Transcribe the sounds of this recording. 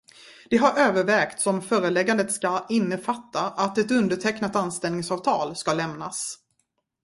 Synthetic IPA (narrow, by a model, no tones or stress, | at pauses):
d̪̥ɛɦaɾʔøːvəɾvɛːkt̪sɔmfœːɾəlɛɡand̪ət̪skaɪnːəfat̪ːaʔat̪ɛt̪ɵnd̪əʈʰɛknat̪anst̪ɛlnɪŋsɑːvt̪ʰɑːlskalɛmnas